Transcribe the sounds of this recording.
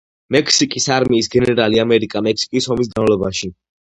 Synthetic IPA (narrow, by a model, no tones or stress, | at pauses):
mɛkʰsikʼisaɾmiːsɡɛnɛɾaliamɛɾikʼamɛkʰsi̥kʼisɔmis̬ɡanvlɔbaʃi